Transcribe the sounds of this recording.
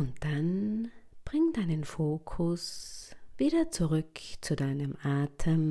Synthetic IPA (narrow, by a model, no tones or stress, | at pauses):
ʊnt̚d̥an | b̥ʁ̥ɪŋd̥aɪnənfoːkʰʊsv̥iːɾɐt͡suʁʏkt͡sudaɪnəmʔaːtʰəm